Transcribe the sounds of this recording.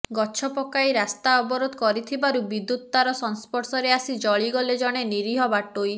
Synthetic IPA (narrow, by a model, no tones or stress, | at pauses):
ɡɔt͡ʃʰɔpɔkajɾast̪aɔbɔɾod̪ɔkɔɾit̪ʰibaɾubid̪ut̪ɔd̪aɾɔsɔnspɔɾsɔɾeasid͡ʒɔɭiɡɔled͡ʒɔɽ̃eniɾiɦɔbaʈoj